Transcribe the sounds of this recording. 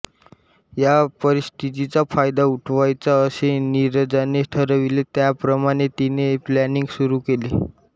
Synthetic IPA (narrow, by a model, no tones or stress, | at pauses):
japəɾist̪ʰit̪̬it͡safajd̪auʈʰʋajt͡saəseniɾd͡zaneʈʰəɾəʋilet̪japɾəmaɽ̃et̪ineplæniŋɡsuɾukele